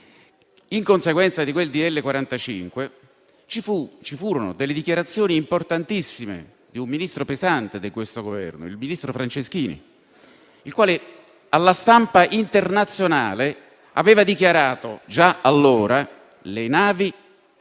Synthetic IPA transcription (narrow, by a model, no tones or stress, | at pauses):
iŋkonseɡwɛnt̪sad̪ikweld̪id̪elːekwaɾant̪at͡ʃḭŋkwe | t͡ʃifut͡ʃifuːɾono̰d̪elːeɪd̪ikjaɾat̪sːjoːniːmport̪ant̪isːimḛ | d̪iumːinist̪ɾopezant̪ed̪ikwest̪oɡovɛ̰rno̰ḭlminist̪ɾofɾant͡ʃesk̟iːnḭ | ilkwaːle | alːast̪ampaʔint̪ernat̪sːjona̰ːle | a̰veːvad̪ikjaɾaːt̪od͡ʒaalːoːɾa | lenaːvi